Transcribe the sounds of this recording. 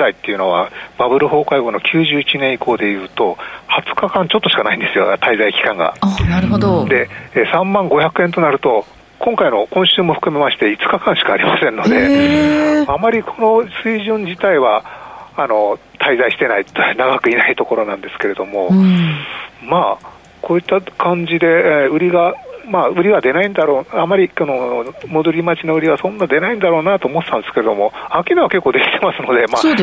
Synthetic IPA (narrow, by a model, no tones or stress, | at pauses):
ait̪ːe̞iɯ̟no̞βa̰b̥abɯ̟ɾɯ̟ɦo̞ːkaiɡo̞no̞kʲʰɨːʑɨːit͡ɕinẽ̞iko̞ːd̪e̞jɯ̟ːt̪o̞hat͡sɨ̥kakãɲ̟t͡ɕo̞t̪ːo̞ɕi̥kanaĩnd̪e̞sɨjo̞t̪aizaikʲi̥kãŋɡa̰naɾɯ̟ɦod̪od̪e̞ːsãmːãŋɡo̞çʲakɯ̟ẽ̞nt̪o̞naɾɯ̟t̪o̞ | kʰõ̞ŋkaino̞kõ̞ɕɨːmo̞ɸɯ̥kɯ̟me̞maɕi̥t̪e̞it͡sɨ̥kakãɰ̃ɕi̥kaːɾʲimasẽ̞nːo̞d̪e̞ | amaɾʲikʰo̞no̞sɨiʑɨ̃ɲd͡ʑit̪aiβaano̞t̪ʰaizaiɕi̥t̪e̞nait̪onaɡakɯ̟inait̪o̞ko̞ɾo̞nãnd̪e̞sɨ̥ke̞ɾe̞d̪o̞mo̞ | maː | ko̞ːit̪ːakʰãɲ̟d͡ʑid̪e̞ɯ̟ɾʲiɡamaɯ̟ɾʲiβad̪e̞naĩnd̪aɾo̞ːamːaɾʲikonomo̞d̪o̞ɾʲimat͡ɕinoɯ̟ɾʲiβasõ̞nːad̪e̞naĩnd̪aɾo̞ːnat̪o̞ːmot̪et̪ãnd̪e̞sɨ̥keɾe̞d̪o̞mo̞akʲinaβake̞kːo̞ːd̪e̞kʲit̪e̞masɨno̞d̪e̞maː